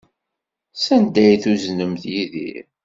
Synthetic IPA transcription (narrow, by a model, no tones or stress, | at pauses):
sænd̪æjθuznəmθjiðḭɾ